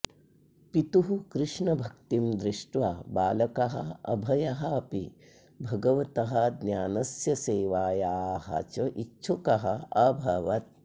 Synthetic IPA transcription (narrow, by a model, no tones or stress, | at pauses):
pit̪uɦukɾɪʂɳɐbʱɐk̚t̪imd̪ɾɪʂʈʋaːbaːlɐkɐɦɐ̰ɐ̰bʱɐjɐɦɐɐpi | bʱɐɡɐʋɐt̪ɐɦɐd̪njaːnɐsjɐseːʋaːjaːɦɐ̰t͡ʃɐʔitːʃʰukɐɦɐɐbʱɐʋɐt̪̚